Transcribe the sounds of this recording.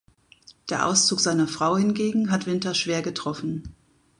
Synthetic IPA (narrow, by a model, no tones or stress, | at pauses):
d̥eːɐʔa̰ʊst͡suːkz̥aɪnɐfʁ̥aʊhɪnɡeːɡŋ̩ɦatv̥ɪntɐʃv̥eːɐɡətʁ̥ɔfn̩